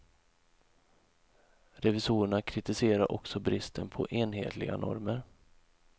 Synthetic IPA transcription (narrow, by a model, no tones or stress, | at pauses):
ɾɛvɪsuːɾəɳakʰɾɪt̪ɪseːɾaɾʔɔksɔbɾɪst̪ʰənpʰɔ̰ʔeːnɦḛːt̪ʰlɪɡa̰nʔɔ̰ɾməɾ